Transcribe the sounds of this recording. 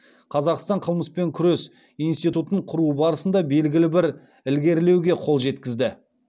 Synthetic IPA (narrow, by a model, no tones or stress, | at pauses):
qʰɑzɑqst̪ɑɴqʰəlˠməspe̞ŋkʲʰʏɾe̞s | ijnst̪ijt̪ut̪əɴqʰʊɾuəbɑɾəsənd̪ɑbe̞lɡʲɪlɪbɪɾ | ɪlɡʲe̞ɾle̞wɡʲe̞qʰo̞lˠʒe̞t̪kʲɪzd̪ɪ